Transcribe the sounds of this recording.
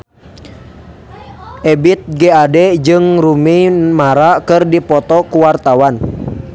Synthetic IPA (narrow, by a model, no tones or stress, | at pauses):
ʔɛbit̪̚ɡeadɛd͡ʒɨŋɾumimaɾakɨrdipɔt̪ɔkuwart̪awan